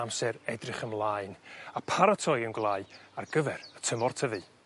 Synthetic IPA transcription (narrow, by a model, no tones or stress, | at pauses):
amsɛɾɛdrɪχəmlˠaɨnapʰaɾatʰɔjənɡlˠaːɨarɡəvɛɾətʰəmɔrtʰəvɨ